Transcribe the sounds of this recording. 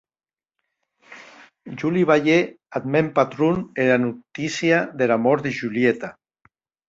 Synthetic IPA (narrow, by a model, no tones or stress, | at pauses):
ʒuliβaʎe | ad̪mempat̪ɾunelanut̪isjaðelamɔɾd̪eʒuliet̪a